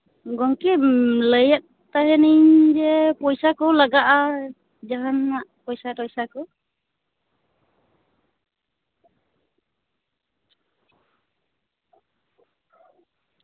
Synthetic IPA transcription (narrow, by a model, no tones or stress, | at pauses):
ɡɔŋkɛləjat̪̚t̪aɦɛniɲd͡ʒɛpɔjsakɔlaɡaʔa | d͡ʒaɦanːaʔpɔjsaɾɔjsakɔ